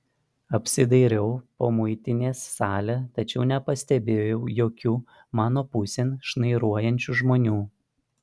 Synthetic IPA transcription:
ɐpʲsʲɪd̪ɐɪɾʲɛʊpoːmʊɪt̪ʲɪnʲeːsːɑːlʲɛt̪ɐt͡ʃʲɛʊnʲɛpɐsʲt̪ʲɛbʲeːjɛʊjoːkʲuː | mɑːnoːpʊsʲenʃnɐɪɾuɔjɛnʲt͡ʃʲuʒmoːnʲuː

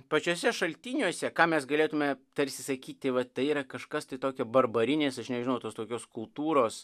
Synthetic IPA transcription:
pɐt͡ʃʲuːsʲɛʃɐlʲt̪ʲinʲuɔsʲɛkɑːmʲɛsɡɐlʲeːt̪ʊmʲɛt̪ɐɾʲsʲɪsɐkʲiːt̪ʲtʲɪʋɐt̪ɐɪiːɾɐkɐʃkɐst̪ɐɪt̪oːkʲɛbɐrbɐɾʲɪnʲeːsɐʃnʲɛʒʲɪnɐʊt̪oːst̪oːkʲoːskʊlˠt̪uːɾoːs

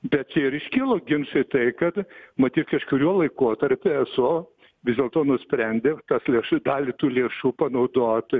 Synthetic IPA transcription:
bʲɛt̪̚t͡ʃʲɛɪɾɪʃʲkʲɪːlˠoːɡʲɪnʃɐɪt̪ɐɪkɐt̪mɐt̪ʲiːt̪kɐʃkʊɾʲuɔlˠɐɪkoɔt̪ɐɾʲpʲɪɛsoː | ʋʲɪzd̪ʲeɛlˠt̪oːnʊsʲpʲɾʲænʲd̪ʲeːt̪ɐslʲeɛʃd̪ɑːlʲɪt̪uːlʲeːʃuːpɐnɐʊd̪oːt̪

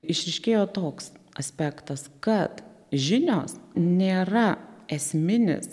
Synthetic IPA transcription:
ɪʃʲɾʲɛɪʃʲkʲeːjoːt̪oːks | ɐsʲpʲæːkt̪ɐskɐt̪ | ʒʲɪnʲo̰ːsnʲeːɾɐɛsʲmʲɪnʲɪ̰s

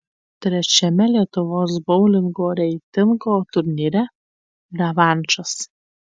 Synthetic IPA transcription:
t̪ʲɾʲɛt͡ʃʲɛmʲɛlʲiɛt̪ʊʋoːs̬bɒʊlʲɪŋɡoːɾʲɛɪt̪ʲɪŋɡoːt̪ʊɾʲnʲiːɾʲɛ | d̪ʲɐʋɑˑnʲt͡ʃɐs

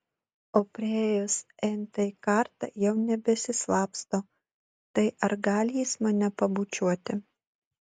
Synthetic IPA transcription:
oːpʲɾʲɪeeːjosɛɪnt̪ɐikɑɾt̪ɐ̰jɛʊnʲɛbʲɛsʲɪslˠɑːpst̪oː | t̪ɐɪʔɐɾɡɑːlʲjiːsmɐnʲɛpɐbuːt͡ʃʲuɔt̪ʲɪ

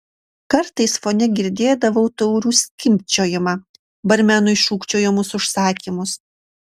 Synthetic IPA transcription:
kɐɾt̪ɐɪsfoːnʲɛɡʲɪɾʲd̪ʲeːd̪ɐʋɐʊt̪ɔʊɾʲuːsʲkʲɪmʲpʲt͡ʃʲoːjɪmɑ | bɐɾʲmʲæːnʊɪʃuːkt͡ʃʲoːjɪmʊsʊʃsɑːkʲiːmʊs

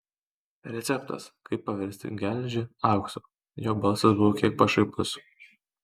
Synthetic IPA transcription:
ɾʲɛt̪sʲɛpt̪ɐ̰skɐɪpːɐʋʲɛɾʲsʲt̪ʲɪ̰ɡʲælʲʒʲɪɑˑʊkso | joːbɐlˠsɐsbʊʋoːkʲiɛk̚pɐʃɐɪkʊs

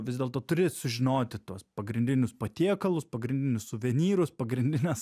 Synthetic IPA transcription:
ʋʲɪzd̪ʲeːlˠt̪oːt̪ʊɾʲɪsʊʒʲɪnoːt̪ʲɪt̪uɔspɐɡɾʲɪnʲd̪ʲɪnʲʊspɐt̪ʲiɛkɐlˠʊspɐɡɾʲɪnʲd̪ʲɪnʲʊssʊʋʲɛnʲiːɾʊspɐɡɾʲɪnʲd̪ʲɪnʲɛs

